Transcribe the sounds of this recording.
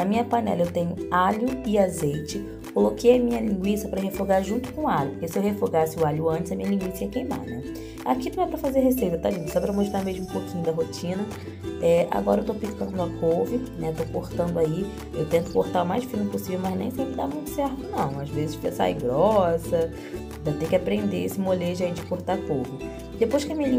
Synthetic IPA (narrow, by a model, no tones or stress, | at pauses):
nɐmĩɲɐpɐnɛ̰lɐewt̪ẽɲʊaʎʊɪazejt͡ʃɪ | kolokejɐmĩɲɐlĩŋɡwisɐpɾɐɦefoɡaɾʒũt̪ʊ̥kõaʎʊpʊkesɪewɦefoɡasɪʊaʎʊɐ̃t͡ʃɪzɐmĩɲɐlĩŋɡwisiɐkejma̰nɛ | a̰kinɐ̃w̃ɛpɾɐfazeɾɦesejt̪ɐt̪ad͡ʒĩt̪ʊsɔpɾɐmoʃt̪ɾaɾmeʒmʊ̃ũpokĩɲʊd̪ɐɦot͡ʃĩnɐ | ɛʔa̰ɡɔɾɐewt̪opikɐ̃d̪ʊd̪ɐkovinɛewt̪okoht̪ɐ̃nd̪ʊai | ewt̪ẽnt̪ʊ̥koɾt̪aʊmajʃfĩnʊposivewmɐznḛ̃j̃sẽpɾɪd̪amũj̃t̪ʊ̥sɛɾt̪ʊnɐ̃w̃azvezɪʃpɾesa̰ḭɡɾɔsɐ | d̪ɐt̪ẽj̃kʲɪapɾẽnd̪esɪmoleʒɐẽt͡ʃɪkoɾt̪aɾkowvʊ | d̪epojʃkɪɐmĩɐnĩ